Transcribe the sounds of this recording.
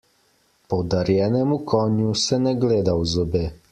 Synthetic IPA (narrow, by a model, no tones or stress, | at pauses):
powd̪aɾjɛnɛmukʰɔnusɛnɛɡleːd̪awzɔbeː